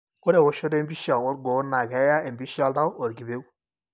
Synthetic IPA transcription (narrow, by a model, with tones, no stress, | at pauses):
ko˦ɾe˨o˦ʃo˦de˦m˦bi˦ʃa˨o˦ɾɡo˨˦na˨kɛ˨˦ja˦e˨m˨bi˦ʃa˦lda˦wo˨ɾɡi˨be˦u˦